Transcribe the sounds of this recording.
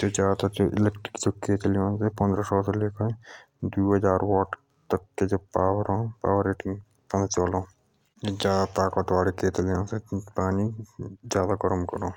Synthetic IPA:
d͡ʒoːd͡ʒjaːd̪ad͡ʒoʔɪ̰leːk̚ʈɾɪkd͡ʒokeːt̪ljõːnsepɐ̃nd̪ɾasɔːseleːkʰə | d̪uːɦɐd͡ʒaːɾwɔːʈ | t̪əkːed͡ʒoːpaːwəɾoːpa̰ːʋəɾeːʈɪŋ | pɐ̃nd̪t͡ʃoːlõː | d͡ʒod͡ʒjaːd̪at̪aːkot̪ʋaːɽekeːt̪ljõːsepaːnid͡ʒjaːd̪aɡɔɾəmkəɾõː

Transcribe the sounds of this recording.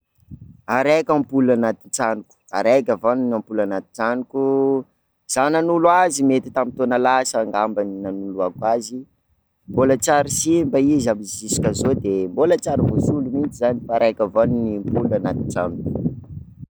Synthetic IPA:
aɾekʲampulanat̪int͡sanuku̥a̰ɾakʲavanunampulanat̪i̥nt͡sanuku | z̥ananulwazimet̪it̪amint̪onəlasaːŋɡambaninanuluakwazi | mbolat͡saɾisimbaizambizisi̥kʲəzod̪embolət͡saɾivosulumint͡ʃizanifaːɾajkʲəvanunimpulanat̪int͡sanuku̥

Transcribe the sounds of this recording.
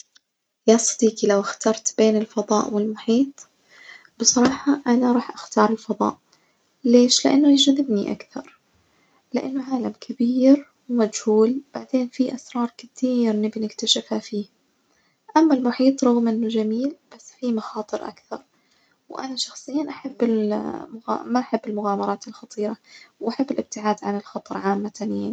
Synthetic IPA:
jasˤɑd̪ˤiːkilawɪxt̪ɑɾˤt̪beːnɪlfɑðˤɑ̰ːʔwɪlmʊħiːt̪ˤ | b̥ɨsˤɑɾˤɑːħɑʔanaɾˤɑːħʔaxt̪ɑːɾˤɪlfɑd̪ˤɑ̰ːʔ | leːʃlɪʔa̰nːʊjd͡ʒaðɪbniʔa̰kθɑɾˤ | lɪʔanːʊʕaːlamkʰabiːɾ | wmad͡ʒhuːlb̥aʕd̪eːnfiʔasɾˤɑːɾˤkɪt̪iːɾnɪbinɪkt̪aʃɪfhafiː | ʔamːalmʊħiːt̪ˤɾˤɑɣmʔɪnːʊd͡ʒamiːlb̥asːfimɑxɑːt̪ˤɨɾʔa̰kθɑɾˤ | wʔa̰naʃɑxsˤɨjːaːnʔaħabːɪlmʊɣa̰maʔaħabːɪlmʊɣaːmɑɾˤɑːt̪ɪlxɑt̪ˤiːɾawʔaħabːɪlʔɪb̚t̪ɪʕaːd̪ʕanɪlxɑt̪ˤɑɾˤʕaːmːat̪aniːan

